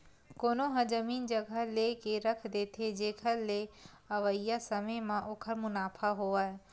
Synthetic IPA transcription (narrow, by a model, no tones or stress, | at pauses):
koːnoɦɐ̃d͡ʒɐmiːnd͡ʒɐɡʱəleːkeɾɐkʰd̪eːt̪ʰed͡ʒeːkʰəɾle | ɐʋəjasɐməjmãʔoːkʰəɾmʊnaːpʰaɦoaːe